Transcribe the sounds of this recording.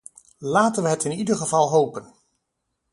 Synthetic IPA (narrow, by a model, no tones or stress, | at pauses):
laːtənʋəɦɛtɪnidəɹχəvɑlˠɦowpən